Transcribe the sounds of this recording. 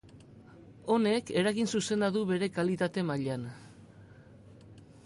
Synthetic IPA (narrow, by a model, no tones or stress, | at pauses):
o̞ne̞ke̞ɾaɣinsuse̞nd̪aðuβe̞ɾe̞kalit̪at̪e̞maʎan